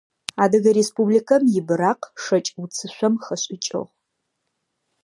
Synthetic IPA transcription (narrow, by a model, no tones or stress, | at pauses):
aːdɐɣɐɾespublikʰɐmjɪbɨɾaːqʂɐt͡ʃʼut͡sʰɨɕʷɐmχɐɕʼɪt͡ʃʼɨ̰ʁ